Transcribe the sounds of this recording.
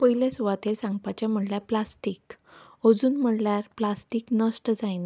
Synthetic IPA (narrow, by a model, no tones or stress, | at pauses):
pəɦiljasuʋat̪eɾsãŋɡpat͡ɕam̤əɽljaplasʈiːk | od͡zuːnm̤əɽljaɾplasʈiːknəsʈd͡zajn